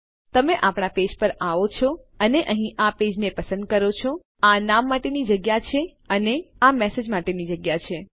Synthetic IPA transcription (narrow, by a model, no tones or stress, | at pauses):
t̪əmeʔapɳ̃aped͡ʒpəɾaʋot͡ʃʰɔ | əneʔəɦĩʔaped͡ʒnepəsə̃nd̪̚kəɾot͡ʃʰo | anamːaʈenid͡ʒəɡjat͡ʃʰe | əneamɛsed͡ʒmaʈenid͡ʒəɡjat͡ʃʰe